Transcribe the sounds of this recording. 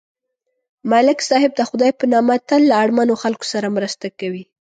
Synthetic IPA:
malɪksɑhɪb̚d̪əxʊd̪ɑjpənɑmat̪əlːaːɽmanoxalko̥saɾamɾəst̪akawi

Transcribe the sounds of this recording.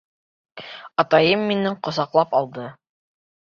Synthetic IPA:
ɑt̪ɑjɤmːinɘɴqŏsɑqlˠɑpɑlˠd̪ɤ

